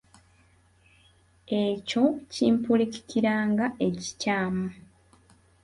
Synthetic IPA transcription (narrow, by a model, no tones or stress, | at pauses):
e̞co̞ciːmpulici̥kiɾaːŋɡaʔe̞ci̥caːmu